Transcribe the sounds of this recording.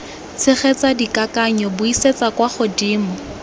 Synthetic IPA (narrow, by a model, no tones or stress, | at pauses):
t͡sʰɪχɛt͡sadikakaɲɔbʊiset͡sakwaχʊdiːmʊ